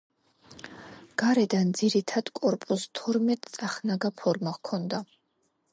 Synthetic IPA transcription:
ɡ̥aɾɛd̪and̪ziɾit̪ʰad̪̥kʼɔɾpʼust̪ʰɔɾmɛt̪ʼsʼaχnaɡapʰɔɾmakʰɔnd̪a

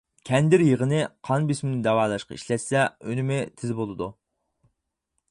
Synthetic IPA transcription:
kʲʰɛnd̪ɪɾjəʁənɨqʰɑnbismɪnɪd̪ɛwɑːlˠɑʃqɑ̰ḭʃlɛt̪sɛønɪmɪt̪ʰɪzɪbolˠɨd̪u

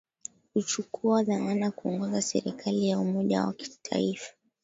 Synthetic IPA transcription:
hut͡ʃukuaðamanakuɔŋɡɔzasɛ̰ɾikʰalijaumɔʄa̰wa̰ki̥tʰa̰ifḁ

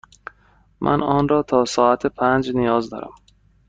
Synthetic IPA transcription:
mʔæ̰nɒːnɾɒːt̪ʰɒːsɒːæt̪ʰepʰænd͡ʒnijɒːzd̪ɒ̰ːɾæ̰m

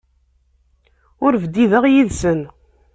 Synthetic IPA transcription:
ʊɾvəd̪ːiðəʁjiðsən

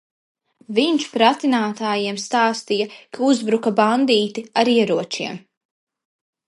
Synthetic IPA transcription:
viɲt͡ʃpɾat̪inaːt̪aːjiɛmst̪aːst̪ijɐkʰauzbɾukaband̪iːt̪iaɾiɛɾuɔt͡ʃiɛm

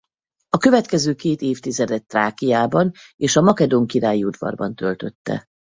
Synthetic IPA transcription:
ɒkø̞vɛt̪kɛzøːkeːt̪eːft̪izɛd̪ɛt̪ːraːkijaːbɒneːʃɒmɒkɛd̪oŋkiɾaːjiud̪vɒ̰rbɒnt̪ø̞lt̪ø̞t̪ːɛ̰

